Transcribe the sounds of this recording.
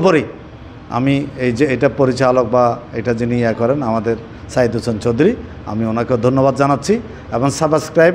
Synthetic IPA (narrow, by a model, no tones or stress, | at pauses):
poɾi | a̰miejd͡ʑeejʈapoɾit͡ɕalok̚baejʈad͡ʑiniakɔɾenamad̪eɾ | saɦid̪usʰont͡ɕod̪uɾi | a̰mionakeod̪ʱonːobad̪d͡ʑanatːɕʰi | eboŋsabskɾajb